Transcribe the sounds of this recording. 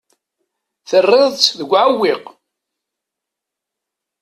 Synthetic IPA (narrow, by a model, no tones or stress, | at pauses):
θərˤːɪðˤt͡sðəɡʷːʕawːɪq